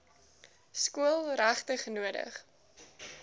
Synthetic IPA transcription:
skuəlˠræχtəχnuədə̰χ

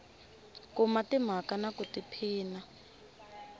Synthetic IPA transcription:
kumatim̤akanakutipʰiːna

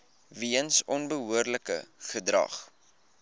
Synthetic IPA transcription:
viənsɔnbəɦuərləkə̰χədrɐ̰χ

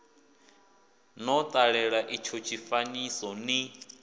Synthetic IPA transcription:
nɔt̪ʼaɺɛɺaʔit͡ʃʰɔt͡ʃʰifanisɔni

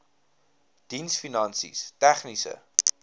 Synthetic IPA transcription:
d̥insfinɐnsḭstæχnisə̰

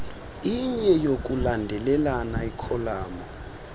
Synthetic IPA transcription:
iɲɛjok̬ʼulandʱɛlɛlanaikʰɔlaːmɔ

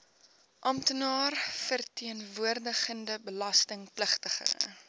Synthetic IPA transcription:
ʔɐmtənɑːrfərtiənvuərdəχəndəbəlɐstəŋpləχtəχə̰

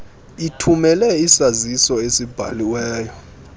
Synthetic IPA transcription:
itʰumɛlɛisazisɔesib̥ʱa̰liwɛːjɔ

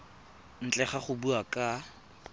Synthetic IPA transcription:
n̩t͡ɬʼɛχaχʊbuakʼa

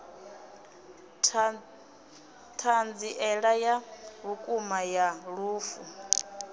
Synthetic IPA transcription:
tʰand͡ziʔɛɺajaβukʼumajaɺuːfu

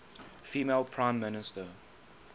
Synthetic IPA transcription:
fiːmeːlˠpʰɹãɪ̃mːɪnɪstə

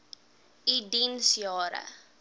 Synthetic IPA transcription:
idinsjɑːɾə̰

